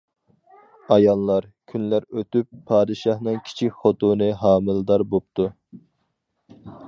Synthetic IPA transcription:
ɑjɑlˠːɑɾkʲʰynlæɾøt̪ypʰːɑːd̪ɨʃɑhnɨŋkʲʰi̥t͡ʃʰikʲχot̪unɨɦɑːmɨlˠɨd̪ɑɾbop̚t̪ʰu

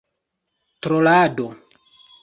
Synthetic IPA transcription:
tɾolado

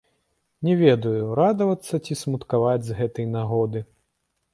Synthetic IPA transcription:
nʲɛvʲɛd̪ɐjuɾad̪ɐvɐt̪sːɐt͡sʲismut̪kavad͡zʲzɣɛt̪ɐjnaɣɔd̪ɨ

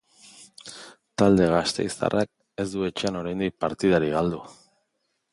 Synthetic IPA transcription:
t̪ald̪e̞ɣ̞ast̪e̞̰jst̪a̰rʔak̚ | e̞zd̪ue̞t͡ʃeano̞ɾajnd̪ik̚paɾt̪iðaɾiɣald̪u

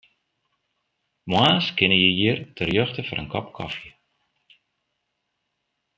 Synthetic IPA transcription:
mwaːskɪnəjəjiərtʰərjøxtəfɔrənkɔpkʰɔ̰fjə

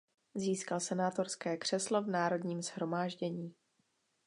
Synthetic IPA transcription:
ziːskalsɛnaːt̪o̞ɾskɛːkr̝̥ɛslo̞vnaːɾo̞dɲiːmz̥hɾo̞maːʒɟɛɲiː

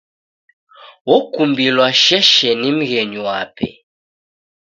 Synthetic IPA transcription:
wɔkumbilwaʃɛʃɛnim̩ɣɛɲuwapʰɛ̰

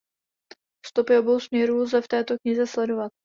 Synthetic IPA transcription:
st̪opɪʔo̞bo̞wsmɲɛɾuːzɛft̪ɛːt̪o̞kɲɪzɛslɛdo̞vat̪̚

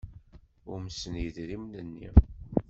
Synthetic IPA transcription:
ʊɾmsənjiðɾimnənːḭ

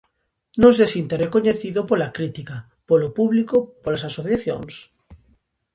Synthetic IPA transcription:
nõnsesint̪erekoɲeθiðopolakɾit̪ika | polopuβlikopolasasoθjaθjo̰ŋs

